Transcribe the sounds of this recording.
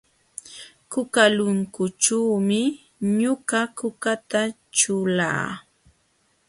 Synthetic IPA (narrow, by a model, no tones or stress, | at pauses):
kʊkalʊŋkʊt͡ʃuːmɪ | ɲʊɢakʊkat̪a | ʈ͡ʂʊla̰ː